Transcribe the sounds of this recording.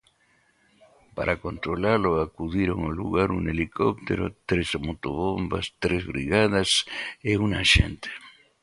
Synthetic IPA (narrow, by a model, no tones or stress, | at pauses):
pa̰ɾʔakont̪ɾolaloakuðiɾoŋolṵɣaɾuŋelikop̚t̪ḛɾo̰t̪ɾesmot̪oβomba̰st̪ɾezβɾiɣaðaseunaʃḛnt̪e̥